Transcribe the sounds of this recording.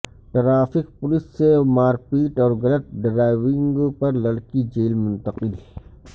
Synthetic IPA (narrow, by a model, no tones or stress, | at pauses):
ʈɐɾaːfɪk̚pʊlɪsːemaːɾpiːʈɔːɾɡɐlət̪̚ɖɾaːɪʋɪ̃ŋɡpɐɾlɐɽkid͡ʒeːlmʊ̃nt̪əqɪl